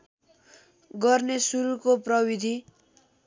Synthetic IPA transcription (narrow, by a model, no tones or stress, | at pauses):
ɡʌrnesuɾukoprʌwid̪ʱi